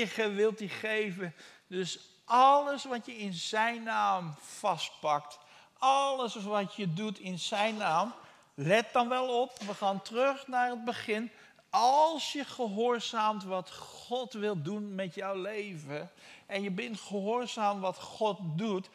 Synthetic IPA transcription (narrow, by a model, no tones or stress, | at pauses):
əχəʋɪlˠtiχejvə | dɵs | ʔɑləsʋɑtjəɪnzɛjnːaːmfɑst̚pɑkt | ɑləsʋɑtjədutɪnz̥ɛjnːaːm | lɛt̚dɑnʋɛlˠɔpʋəχaːntrøχnaːɹəd̚bəχɪn | ɑlˠsjəχəɦʊːɹzaːmtʋɑtχɔtʋɪlˠdunmɛtjɔwlejvə | ʔɛnjəbɪntχəɦoːɹzaːmʋɑtχɔt̚dut